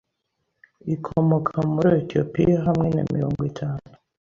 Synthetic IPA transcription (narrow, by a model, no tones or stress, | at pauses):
ikʰomokʰamuɾietiopḭjaɦamŋe̞na̰mḭɾo̞ːŋɡwitʰaːnu